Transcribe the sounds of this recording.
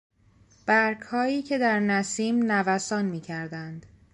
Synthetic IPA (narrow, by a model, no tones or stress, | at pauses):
b̥æɾkʰhɒːiːcʰe̞d̪æɾnæsiːmnævæsɒːnmiːcʰæɾd̪ænd̪̥